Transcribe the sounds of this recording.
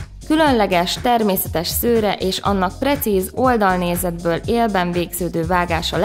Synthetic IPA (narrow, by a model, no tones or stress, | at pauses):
kylø̞nlɛɡɛʃt̪ɛrmeːsɛt̪ɛʃsøːɾɛʔeːʃɒ̰nːɒk̚prɛt̪siːzo̞ld̪ɒlneːzɛd̪bøːleːlbɛɱveːɡz̥øːd̪øːvaːɡaːʃɒl